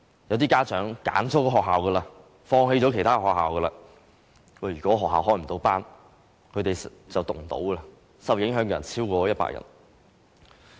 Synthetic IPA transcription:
jɐ˨˧wt̪iː˥kaː˥t͡ʃœː˨˥ŋka̰ː˨˥nt͡sʰɔː˥kɔː˧ɦɔː˨k̚ɦaː˨wkəː˧laː˧ | fɔː˧ŋhe˧jt͡sɔ˨˥kʰe˨˩jt̪ʰaː˥˧hɔː˨k̚ɦaː˨wkəː˧laː˧ | ɔː˨˩jyː˨˩kɔ˨˥ɦɔː˨ɦːaː˨wɦɔː˥˩jm̩˨˩t̪o˧˥wpaː˥n | kʰɵ˨˧˥t̪e˨jt͡sɐ˨wt̪ʊ˨˩ŋ˩t̪o̰˨˥wkə˧la˧ | sɐ˨˩wjɪ˨˥ŋɦœː˨˥ŋkɔː˧jɐ˨˩nt͡sʰiː˥wkɔː˧jɐ˥t̚pa̰ː˧˥kjɐ̰˩n

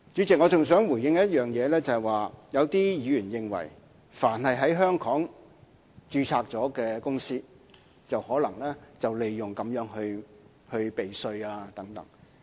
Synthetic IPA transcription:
t͡ʃy˨˥t͡sɪ˨k̚ŋɔː˨˧t͡sʊ˨ŋsœː˨˥ŋwuː˨˩jɪ˨˧ŋjɐ˥t̪̚jœː˨ŋjɛː˨˧lɛː˥t͡sɐ˨ɛ˨jwaː˨jɐ˨˧wt̪iː˥jiː˨˧jyː˨˩njɪ˨ŋwɐ̰˨˩j | faː˨˩nhɐ˨jɦɐ˨˥jɦœː˥ŋkʰɔː˨˥ŋ | t͡ʃyː˧t͡sʰaː˧k̚t͡sɔː˨˥kɛː˧kʊ˥ŋsiː˥ | t͡sɐ˨whɔː˨˥lɐ˨˩ŋlɛː˥t͡sɐ˨wle˨jːʊ˨ŋkɐ˨˧mjœː˨˧˥ŋhɵ˧ɥ | hɵ˧ɥpe˨jsɵ˧ɥaː˧t̪ɐ˨˥ŋt̪ɐ̰˨˥ŋ

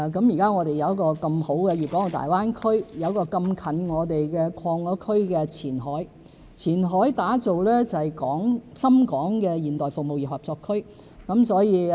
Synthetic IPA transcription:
kɐ˨˥mjiː˨˩kaː˥ŋɔː˨˧t̪e˨jɐ˨˧wkɔː˧kɐ˧mho˨˥wkɛː˧jiː˨p̚kɔ˨˥ŋ˨˩t̪a̰ː˨jwaː˥nkʰɵ˥ɥjɐ˨˧wkɔː˧kɐ˧mkʰɐ˨˥nŋɔː˨˧t̪e˨jkɛː˧kʰɔː˧ŋːɔː˨˥kʰɵ˥ɥkɛː˧t͡sʰiː˨˩nɦɔː˨˥j | t͡sʰiː˨˩nɦɔː˨˥jt̪aː˨˥t͡so˨wlɛː˥t͡sɐ˨jkɔː˨˥ŋsɐ˥mkɔː˨˥ŋkɛː˧jiː˨˩nt̪ɔː˨jfʊ˨k̚mo˨wji˨˩phɐ˨p̚t͡sɔː˧kʰɵ˥ɥ | kɐ˨˧˥msɔː˨˥jiː˨˧

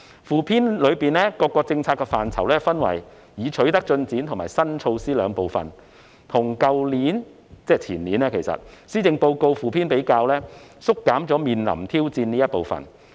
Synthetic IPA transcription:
fuː˨˩pʰiː˥nlɵ˨˧ɥpiː˨nlɛː˥kɔː˧kːɔː˧k̚t͡sɪ˧ŋt͡sʰaː˧t̚kːɛ˧faː˨nt͡sʰɐ̰˨˩wlɛː˥fɐ˥nwɐ̰˨˩j | jiː˨˧t͡ʃʰɵ˨˥ɥt̪ɐ˥k̚t͡ʃɵ˧nt͡siː˨˥nt̪ʰʊ˨˩ŋmaː˨˩jsɐ˥nt͡sʰo˧wsiː˥lœː˨˧ŋpo˨wfɐ̰˨n | t̪ʰʊ˨˩ŋkɐ˧wliː˨˥n | t͡sɛː˥˩t͡sʰiː˨˩nliː˨˥nɛː˥kʰe˨˩jsɐ̰˨˩t̚siː˥t͡sɪ˧ŋpo˧wko˧wfuː˨˩pʰiː˥npe˨˥jkaː˧wlɛː˥sʊ˥kːaː˨˥mt͡sɔː˨˥miː˨nlɐ̰˨˩mt̪ʰiː˥wt͡siː˧nniː˥jɐ˥t̚po˨wfɐ̰˨n

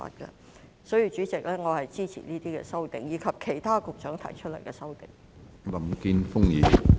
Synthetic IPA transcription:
a̰ː˧t̚kɛ̰˧ | sɔː˨˥ji˨˥t͡ʃyː˨˥t͡sɪ˨k̚lɛː˥ŋɔː˨˧hɐ˨jt͡siː˥t͡sʰḭ˨˩niː˥t̪iː˥kɛ̰ː˧sɐ˥wt̪ɪ˨˩ŋjiː˨˧kʰɐ˨p̚kʰe˨˩jt̪ʰaː˥kʊ˨k̚t͡ʃœː˨˥ŋt̪ʰɐ̰˨˩jt͡ʃʰɵ˥t̚lɐ˨˩jkɛ˧sɐ˥wt̪ɪ˨˩ŋ | lɐ˨˦mki˥nfʊ˥ŋjiː˨˩

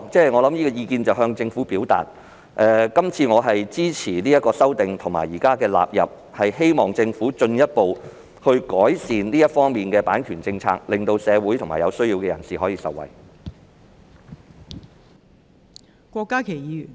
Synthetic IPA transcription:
t͡sɛː˥ŋɔː˨˧lɐ˨˥mjiː˥kɔː˧jiː˧kiː˧nt͡sɐ˨wɦœː˧ŋt͡sɪ˧ŋfuː˨˥piː˨˥wt̪a̰ː˨t̚ | ʔɛː˨˧kɐ˥mt͡sʰiː˧ŋɔː˨˧ɦɐ˨jt͡siː˥t͡sʰiː˨˩liː˥jɐt̚kːɔː˧sɐ˥wt̪ɪ˨ŋt̪ʰʊ˨˩ma̰ː˨˩jiː˨˩kaː˥kɛː˧la̰ː˨p̚jɐ̰˨p̚ | hɐ˨jhe˥jmɔː˨˩ŋt͡sɪ˧ŋfuː˨˥t͡ʃɵ˧njɐ˥t̚po˨w | hɵ˧ɥkɔː˨˥jsiː˨nliː˥jɐ˥t̚fɔː˥ŋmiː˨nkɛː˧paː˨˥nkʰyː˨˩nt͡sɪ˧ŋt͡sʰa̰ː˧k̚lɪ˨˩ŋt̪o˧wsɛː˨˧wuː˨˥jt̪ʰʊ˨˩ŋmaː˨˩jɐ˨˧wsɵ˥ɥji˧wkɛː˧jɐ̰˨˩nsiː˨ɦɔː˨˥jiː˧sɐ˨wːɐ̰˨˩j | kʷɔː˧kːaː˥kʰe˨˩jjiː˨˧jy˨˩n

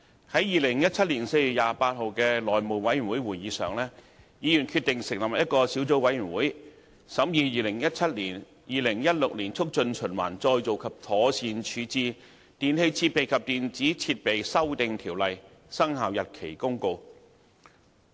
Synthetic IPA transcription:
hɐ˨˥jjiː˨lɪ˨˩ŋjɐ˥t̚t͡sʰɐ˥t̚liː˨˩nse˧jy˨t̚jaː˨˧paː˧t̚ɦho˨˧wkɛː˧lɔː˨˩jmo˨˩wɐ˨˥jɥy˨˩nwuː˨˥jwuː˨˩jjiː˨˧sœ̰ː˨ŋlɛ˥ | jiː˨˧jyː˨˩nkʰyː˧t̪̚ɪ˨ŋsɪ˨˩ŋ̚lɐ˨p̚jɐ˥t̚kɔː˧siː˨˥wt͡so˨˥wɐ˨˥jyː˨˩nwuː˨˥j | sɐ˨˥mjiː˨˧jiː˨˧lɪ˨˩ŋjɐ˥t̚t͡sʰɐ˥t̚liː˨˩n | jiː˨˩lɪ˨˩ŋjɐ˥t̚lʊ˨k̚liː˨˩nt͡sʰʊ˥k̚t͡ʃɵ˧nt͡ʃʰɵ˨˩nwa̰ː˨˩nt͡sɔː˧jt͡so˨wkʰɐ˨p̚t̪ʰɔː˨˥siː˧nt͡ʃʰyː˨˧t͡siː˨˧ | t̪iː˨nhe˧jt͡sʰiː˧t̚pe˨jkʰɐ˨p̚t̪iː˨nt͡siː˨˥t͡sʰiː˧t̚pe˨jsɐ˥wt̪ɪ˨ŋt̪ʰiː˨˩wlɐ˨j | sɐ˥ŋhaː˨wjɐ˨t̚kʰe˨˩jkʊ˥ŋko˧w

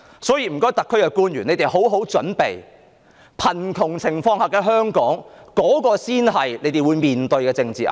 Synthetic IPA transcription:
sɔː˨˥jiː˧m̩˨˩kɔː˥jt̪ɐ˨kʰːɵ˥ɥkɛː˧kuː˥njyː˨˩ne˨˧t̪e˨˩jɦo˨˥wɦo˨˥wt͡ʃɵ˨˥npḛ˨j | pʰɐ˨˩nkʰʊ˨˩ŋt͡sʰɪ˨˩ŋfɔː˧ŋhɐː˨kːɛː˧ɦœː˥ŋkɔː˨˥ŋkɔː˨˥kɔː˧siː˥nɦɐ˨jle˨˧jt̪e˨jwuː˨˧jmiː˨nt̪ɵ˧ɥkɛː˧t͡sɪ˧ŋt͡sḭː˨ʔa̰˨

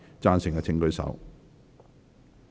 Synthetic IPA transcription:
t͡saː˧nsɪ˨˩ŋkaː˧t͡sʰɪ˧ŋkɵ˧ɥsɐ̰˨˥w

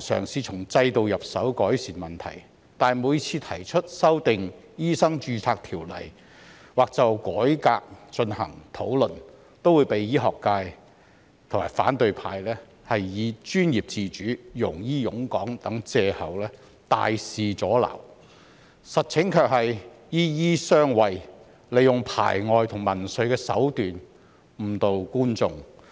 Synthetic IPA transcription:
sœ̰ː˨˩ŋsiː˧t͡sʰʊ˨˩ŋt͡sɐ˧jt̪o˨wjɐ˨p̚sɐ˨˥wkɔː˨˥jsiː˨˩nmɐ˨˩nt̪ʰɐ̰˨˩j | t̪aː˨nmu˨˧ji˧t͡sʰiː˧t̪ʰɐ˨˩jt͡ʃʰɵ˥t̚sɐ˥wt̪ɪ˨ŋ | jiː˥sɐ˥ŋt͡ʃyː˧t͡sʰaː˧k̚t̪ʰiː˨˩wlɐ̰˨˩j | waː˨k̚t͡sɐ˨wkɔː˨˥jkaː˧k̚t͡ʃɵ˧nhɐ̰˨˩ŋt̪ʰo˨˥wlɵ˨˩n | t̪o˥wu˨˧jpe˨jjiː˥ɦɔː˨kːaː˧j | t̪ʰʊ˨˩ŋ͡mmaː˨˩jfa̰ː˨˥nt̪ɵ˨˧ɥpʰaː˧jlɛː˥ | hɐ˨jːiː˨˧t͡ʃyː˥njiː˨p̚t͡siː˧t͡ʃyː˨˥jʊ˨˩ŋjiː˥jʊ˨˥ŋkɔː˨˥ŋt̪ɐ˨˥ŋt͡sɛː˧hɐ˨wlɛː˥ | t̪a̰ː˨jsiː˨t͡sɔː˨˥lɐ̰˨˩w | sɐ˨t̚t͡sʰɪ˨˥ŋkʰœː˧k̚hɐ˨j | jiː˥jiː˥sœː˥ŋwɐ˨j | le˨˧jjʊ˨ŋpʰa̰ː˨˩jŋɔː˨˧jt̪ʰʊ˨˩ŋmɐ˨˩nsɵ˨˧ɥkɛː˧sɐ̰˨˥wt̪yː˨n | m̩˨˩t̪o˨wkuː˥nt͡sʊ˧ŋ

